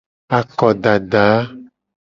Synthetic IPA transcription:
a˨kɔ˨ɖa˨ɖa˨˦

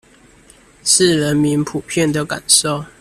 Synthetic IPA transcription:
ʂ̩˥˨ɻə˨˦nmi˧˦npʰu˨˩pʰjɛ˥˨nd̪ə˨ka̰˨˩nʂo˥˨ʊ

